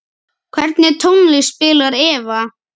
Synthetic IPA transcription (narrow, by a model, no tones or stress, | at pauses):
kʰvɛɾt̪nɪt̪ʰownlispɪːlaɾɛːva